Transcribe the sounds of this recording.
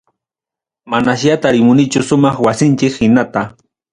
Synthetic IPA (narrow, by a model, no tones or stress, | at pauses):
manaʃjat̪aɾɪmʊnɪt͡ʃʊsʊmɑχwasɪnt͡ʃɪkhɪnat̪a